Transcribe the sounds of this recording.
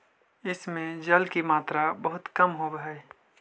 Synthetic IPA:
ɪsmẽd͡ʒɐlkimaːt̪ɾabɐɦʊt̪kɐmɦobɦɛ

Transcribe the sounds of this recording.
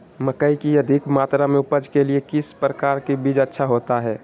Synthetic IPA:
məkəikiəd̪ʱɪkmaːt̪ɾamẽʊpəd͡ʒkeliekɪspɾəkaːɾkibid͡ʒətːʃʰaɦoːt̪aɦɛː

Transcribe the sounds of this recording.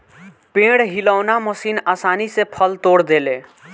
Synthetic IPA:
pẽɽɦiləʊnaməsiːnasanisepʰəlt̪oɽd̪ele

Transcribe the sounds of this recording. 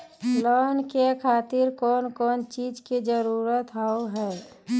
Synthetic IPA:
lɔːnkekʰaːt̪ɪɾkɔːnkɔːnt͡ʃiːd͡ʒkid͡ʒəɾuːɾət̪ɦaoɦɛː

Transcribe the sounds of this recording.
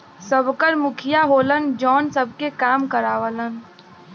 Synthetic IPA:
səbkəɾmʊkʰɪjaɦoːlənd͡ʒɔːnsəb̚ʱkekaːmkəɾaːʋələn

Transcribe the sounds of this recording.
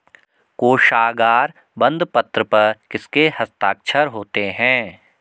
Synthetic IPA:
koːʃaːɡaːɾ | bə̃nd̪pət̪ɾəpɐɾkɪskehɐst̪aːk̚t͡ʃʰəɾɦoːt̪eɦɛ̃ː

